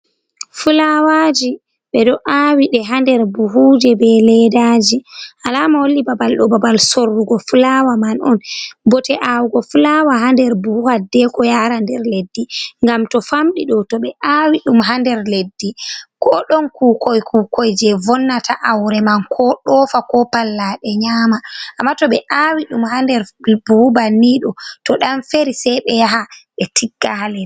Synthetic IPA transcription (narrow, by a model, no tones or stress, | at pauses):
fulawad͡ʒi | ɓɛdɔʔaːwiɗɛɦandɛɾbuɦuːd͡ʒɛbɛlɛdaːd͡ʒiʔalaːmawolːibabalɗɔbabalsorːuɡɔfulawamanɔnbɔtɛʔawuɡɔfulawaɦandɛɾbuhuadːɛkɔjaːɾandɛɾledːiŋɡamtɔfamɗiɗɔtɔɓɛʔawiɗumɦandɛɾledːikɔɗɔnkuːkɔjkukɔjd͡ʒɛvɔnːatʰaʔawɾɛmankʰɔɗɔːfakɔpalːaɗɛɲaːmaʔːmːatɔɓɛʔaːwiɗumhandɛɾbubaniɗɔtɔɗanfeɾisɛjɓɛjaɦaɓɛtʰiɡːahalɛ